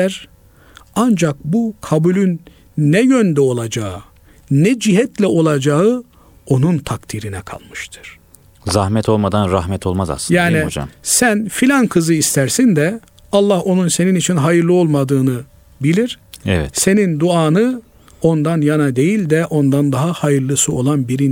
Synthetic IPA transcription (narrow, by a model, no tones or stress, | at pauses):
æɾ | and͡ʒak̚bukʰabulʲynː | ɛjønd̪ɛo̞lˠad͡ʒaɯ | nɛd͡ʒiɦɛt̪lʲɛʔo̞lˠad͡ʒaɯ | o̞nunt̪ʰak̚t̪ʰiɾinɛkʰa̰lˠmɯʃt̪ʰɯ̥ɾ̥ | zahmɛt̪ʰo̞lˠmad̪anɾahmɛt̪ʰo̞lˠmaza̰sɯjaːniod͡ʒa̰msænfilʲankʰɯzɯist̪ʰæɾsind̪ɛ | alˠːaho̞nunse̞ninit͡ʃʰinɦajɯɾlˠɯo̞lˠmad̪ɯːnɯ | bilʲiɾ̥ɛvɛ̰se̞nind̪uaːnɯ | o̞nd̪anjanad̪e̞jilʲd̪ɛʔo̞nd̪and̪aɦahajɯɾlˠɯsɯo̞lˠanbiɾi